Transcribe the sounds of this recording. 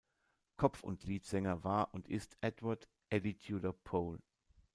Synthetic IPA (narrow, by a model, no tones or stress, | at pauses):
kʰɔp͡fʊ̰ntʰliːtz̥ɛŋɐvaːɐʔʊntɪstʔɛtvaɐt | ʔɛditʰjuləpʰoːl